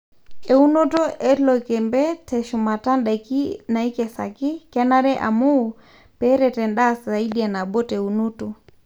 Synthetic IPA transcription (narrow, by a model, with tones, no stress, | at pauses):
ɛ˨u˦nɔ˦tɔ˦ʔɛ˦lɔ˨kɛ˨mbɛ˦tɛ˨ʃu˨ma˨ta˦nɗa˨ki˦na˨i˦kɛ˨sa̰˨kɪ˦kɛ˦na˦ɾɛ˦ʔa̰˨mu˦˨ | pɛɾɛ˨tɛ˨nɗa˦sza˨i˦ɗi˦a˨na˨ɓɔ˦tɛ˨u˨nu˦tɔ